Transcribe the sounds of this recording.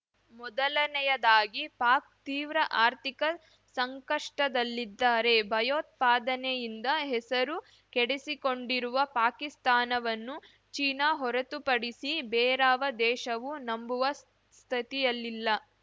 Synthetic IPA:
mɔd̪ɐlɐnɛjɐd̪aːɡipaːk̚t̪iːʋɾɐʔaːɾt̪ikɐ | sɐŋkɐʂʈɐd̪ɐlːid̪ːaːɾe̞bʱɐjoːt̪̚paːd̪ɐnejind̪ɐɦɛsɐɾu | kɛɽesiko̞ɳɖiɾuʋɐpaːkist̪aːnɐʋɐnːu | t͡ʃiːnaɦɔɾɐt̪upɐɽisibɛːɾaːʋɐd̪ɛːʃɐʋunɐmbuʋɐ | st̪ʰɐt̪ijɐlːilːɐ

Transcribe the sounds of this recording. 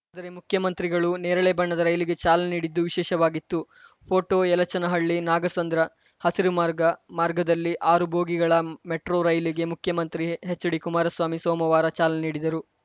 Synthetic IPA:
aːd̪ɐɾe̞mukʰjɐmɐnt̪ɾiɡɐɭuneːɾɐɭebɐɳːɐd̪ɐɾɐjliɡe̞t͡ʃaːlɐniːɽid̪ːuʋiʃɛːʃɐʋaːɡit̪ːu | pʰo̞ːʈoːɛlɐt͡ʃɐnɐɦɐɭːinaːɡɐsɐnd̪ɾɐ | hɐsiɾumaːɾɡɐmaːɾɡɐd̪ɐlːiʔaːɾubʱoːɡiɡɐɭɐmeʈɾoɾɐjliɡe̞mukʰjɐmɐnt̪ɾiɦet͡ʃːɐɽikumaːɾɐsʋaːmisoːmɐʋaːɾɐt͡ʃaːleniːɽid̪ɐɾu

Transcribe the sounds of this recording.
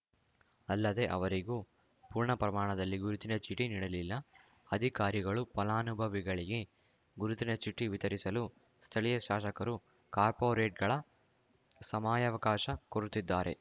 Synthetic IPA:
ɐlːɐd̪e̞ʔɐ̰ʋɐɾiɡuː | puːɾɳɐpɾɐmaːɳɐd̪ɐlːiɡuɾut̪inɐt͡ʃiʈːiniɽɐlilːɐ | ɐd̪ʱikaːɾiɡɐɭupɐlaːnubʱɐʋiɡɐɭiɡe̞ | ɡuɾut̪inɐt͡ʃiʈːiʋit̪ɐɾisɐlu | st̪ʰɐlijɐʃaːʃɐkɐɾu | kaːɾpoːɾeːʈ̚ɡɐɭɐ | sɐmaːjɐʋɐkaːʃɐkoɾut̪id̪ːaːɾe̞̰

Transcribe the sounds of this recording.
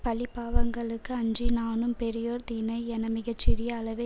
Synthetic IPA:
pɐlɪpːaːʋɐŋɡɐɭɯkːɯɐɲd͡ʒinaːnɯmpɛɾɪjoːɾt̪iːnɐɪɛnɐmɪɣɐt͡ʃːɪɾɪjɐaːlɐʋe

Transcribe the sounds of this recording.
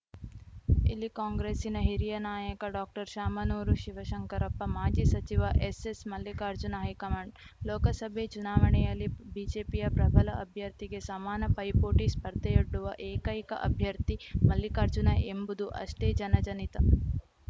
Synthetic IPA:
ḭlːikaːŋɡɾeːsinɐɦiɾijɐnaːjɐkɐɖaːk̚ʈɐɾʃaːmɐnoːɾuʃiʋɐʃɐŋkɐɾɐpːɐmaːd͡ʒisɐt͡ʃiʋɐʔesesmɐlːjikaːɾd͡ʒunɐɦɐijkɐmɐɳɖ | lɔːkɐsɐbʱet͡ʃunaːʋɐɳɛjɐlːibiːd͡ʒeːpijɐpɾɐbʱɐlɐʔɐbʱjɐɾt̪iɡe̞samaːnɐpɐjpoːʈispɐɾd̪ɐjɐɖːuʋɐʔeːkɐjikɐ̰ʔɐ̰bʱjɐɾt̪imɐlːikaɾd͡ʒunɐʔembud̪uʔɐ̰ʂʈeːd͡ʒɐnɐd͡ʒɐnit̪ɐ

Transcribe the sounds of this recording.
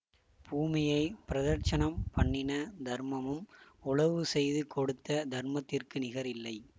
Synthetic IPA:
buːmɪjɐɪpɪɾɐðɐɾt͡ʃɐnɐmpɐɳːɪnɐd̪ʱɐɾmɐmɯmʊɭɐʋɯsɛjðɯkɔɽɯt̪ːɐd̪ʱɐɾmɐt̪ːɪrkɯnɪɣɐɾɪlːɐɪ

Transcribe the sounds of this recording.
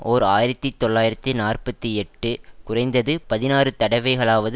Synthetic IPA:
ʔoːɾaːjɪɾɐt̪ːit̪ːɔɭːaːjɪɾɐt̪ːinaːrpɐt̪ːiɛʈːɯkʊrɐɪnd̪ɐðɯpɐðɪnaːrɯt̪ɐɽɐɪʋɐɪɣɐɭaːʋɐðɯ

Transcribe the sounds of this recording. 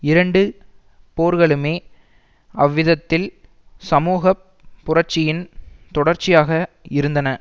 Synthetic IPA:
ɪɾɐɳɖɯ | poːɾɣɐɭɯmeː | ɐʋːɪðɐt̪ːɪl | sɐmuːɣɐpː | ʊrɐɾt͡ʃɪjɪnt̪ɔɽɐɾt͡ʃɪjaːɣɐɪɾɯnd̪ɐnɐ

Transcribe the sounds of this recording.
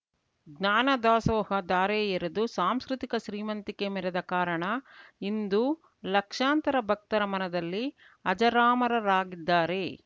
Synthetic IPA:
ɡnaːnɐd̪aːsɔːɦɐd̪aːɾeːjiɾɐd̪usaːmskɾut̪ikɐʃɾiːmɐnt̪ikemɛɾɐd̪ɐkaːɾɐɳɐind̪u | lɐkʂaːnt̪ɐɾɐbʱɐk̚t̪ɐɾɐmɐnɐd̪ɐlːi | ɐd͡ʒɐɾaːmɐɾɐɾaːɡid̪ːaːɾe̞

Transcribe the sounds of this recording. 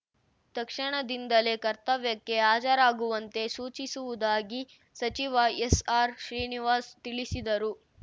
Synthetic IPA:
t̪ɐkʂɐɳɐd̪ind̪ɐle̞kɐɾt̪ɐʋjɐkːe̞aːt͡ʃɐɾaːɡuʋɐnt̪e̞suːt͡ʃisuʋud̪aːɡi | sɐt͡ʃiʋɐesaːɾʃɾiːniʋaːst̪iɭisid̪ɐɾu

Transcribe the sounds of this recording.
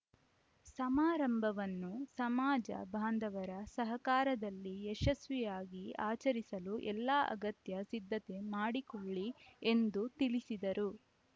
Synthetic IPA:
sɐmaːɾɐmbʱɐʋɐnːusɐmaːd͡ʒɐ̰bʱaːnd̪ʱɐʋɐɾɐsɐɦɐkaːɾɐd̪ɐlːiɛʃɐsʋɛjaːɡiaːt͡ʃɐɾisɐluʔɛlːaːʔɐ̰ɡɐt̪jɐsid̪ʱːɐt̪e̞maːɽikoɭːie̞nd̪ut̪ilisid̪ɐɾu

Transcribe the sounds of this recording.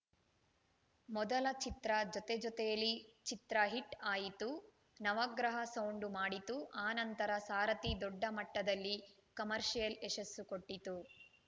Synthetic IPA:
mɔd̪ɐlɐt͡ʃit̪ɾɐd͡ʒɔt̪ed͡ʒɔt̪ɛjɐlːit͡ʃit̪ɾɐɦiʈaːjit̪u | nɐʋɐɡɾɐɦɐsɐwɳɖumaːɽit̪uʔaːnɐnt̪ɐɾɐsaːɾɐt̪id̪ɔɖːɐmɐʈːɐd̪ɐlːi | kɐmɐɾʃijɐleʃɐsːukoʈːit̪u

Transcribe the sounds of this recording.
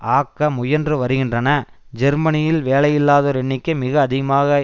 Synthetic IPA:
ʔaːkːɐmʊjɐndrɯʋɐɾɯɣɪndrɐnɐ | d͡ʒɛɾmɐnɪjɪlʋeːlɐjɪlːaːðoːɾɛɳːɪkːɐmɪɣɐːðɪɣɐmaːɣɐ

